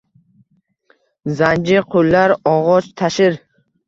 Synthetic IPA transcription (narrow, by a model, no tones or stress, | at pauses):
zand͡ʒɪqʰʊlːaɾɒʁɒt͡ʃt̪ʰaʃɪɾ